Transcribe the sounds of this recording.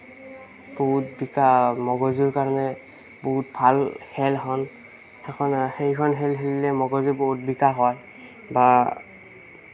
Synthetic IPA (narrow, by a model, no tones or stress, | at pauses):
b̥oɦutbikamɔɡɔziɹkaɹɔnɛ | boɦut̚bʱalhɛlɦɔn | ɛkʰɔnxejkʰɔnɦɛlɦelilɛmɔɡɔziboɦut̚bikaɦɔj | ba